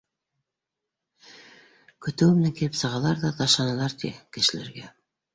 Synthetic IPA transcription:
kʰɵ̆t̪ɵwɘmɘnæŋkʲʰilɘpsɑʁɑlˠɑɾd̪ɑt̪ɑʃɑnɑlˠɑɾt̪ʰḭkɘ̆ʃɘ̆lḛɾɡe

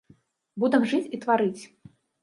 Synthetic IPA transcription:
bud̪ɛmʐɨt͡sʲit̪vaɾɨt͡sʲ

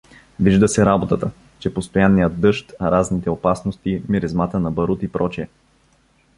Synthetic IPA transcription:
viʒd̪əsɛɾabot̪ət̪ə | t͡ʃɛpost̪ojanːijəd̪ːɤʃt̪ɐɾaznit̪ɛopasnost̪imiɾɛzmat̪ənɐbɐɾut̪ipɾɔt͡ʃiɛ

